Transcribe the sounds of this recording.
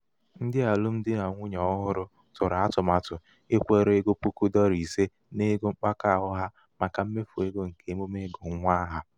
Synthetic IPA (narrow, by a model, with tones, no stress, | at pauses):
n̩˦dɪ˦a˨lʊ˦m̩˦dɪ˦na˨ŋʷʊ˦ɲɔ˦ɔ˦ɦʊ˦ɾʊ˦ | tʊ˨ɾa˦tʊ˨ma˨tʊ˨ | e˦kʷe˦ɾe˦ɡo˦pu˦ku˦dɔ˦ɾi˨se˦ | ne˦ɡo˦ŋ͡m̩˦k͡pa˦ka˦˨ɦʊ˦ɦa˦ | ma˨ka˨m̩˦me˦fu˨e˦ɡo˦ŋ̩˨ke˨˦mo˦me˦ɡo˨ŋ̩˦ŋʷa˦ɦa˦